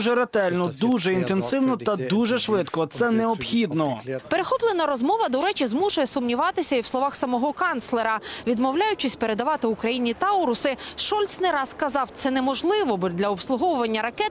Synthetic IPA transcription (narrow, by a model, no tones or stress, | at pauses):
ʒɛɾɐt̪ɛlʲnɔd̪uʒɛint̪ensɪwnɔt̪ɐd̪uʒɛʃʋɪt̪kɔt̪sɛnɛɔpxʲid̪nɔpeɾexɔplˠenɐɾɔzmɔʋɐd̪ɔɾɛt͡ʃizmuʃɐjɛsʊmnʲiʋɑt̪ɪsʲɐiwsˠɔʋɑxsɐmɔɦɔkɑnt̪slˠeɾɐʋʲid̪mɔwlʲajʊt͡ʃɪsʲpeɾe̞d̪ɐʋɑt̪ɪʊkɾɐjinʲit̪ɑɔɾʊsɪʃɔlʲt̪snɛɾɑskɐzɑwt̪sɛnɛmɔʒlˠɪʋɔbd̪lʲɐɔpslˠʊɦɔʋʊʋɐnʲːɐɾɐkɛt̪